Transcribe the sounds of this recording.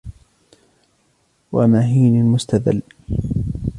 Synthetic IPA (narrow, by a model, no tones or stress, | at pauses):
wa̰maɦiːnɪlmʊst̪aða̰lː